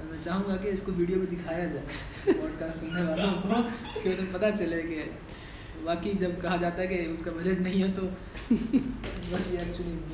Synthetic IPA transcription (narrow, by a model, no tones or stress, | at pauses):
ɛmɛ̃t͡ʃaːɦũːŋɡakeɪskoʋiːɖijopẽd̪ɪkʰaːjad͡ʒaː | ɔːɾkaːssʊnːeʋaːlaɐmko | keoɾmepɐt̪at͡ʃɐleke | baːkid͡ʒɐb̚kɐɦad͡ʒaːt̪aɦɛkeʊskabɐd͡ʒeʈnɐɦĩɦɛt̪o | bɐsbiɛːɾt͡ʃʊlĩ